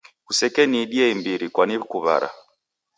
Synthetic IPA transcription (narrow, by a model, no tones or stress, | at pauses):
kusɛkɛniːɗiɛimbiɾikwanikuβa̰ɾa̰